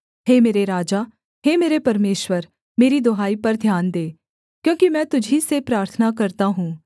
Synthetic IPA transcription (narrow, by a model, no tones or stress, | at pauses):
ɦeːmeːɾeɾaːd͡ʒaː | ɦeːmeːɾepɐɾmeːʃwəɾ | meːɾid̪oɦaːipɐɾd̪ʱjaːnd̪eː | kjõːkimɛ̃ːt̪ʊd͡ʒʱisepɾaːɾt̪ʰənakɐɾt̪aɦũː